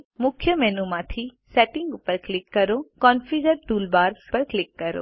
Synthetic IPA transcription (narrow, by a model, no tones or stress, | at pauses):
mʊkʰjəmɛːnumãːt̪ʰisɛːʈɪ̃ŋɡpɐɾklɪkːɐɾokɔːnfiːzəɾʈuːlbaːɾpɐɾklɪkːɐɾo̰ː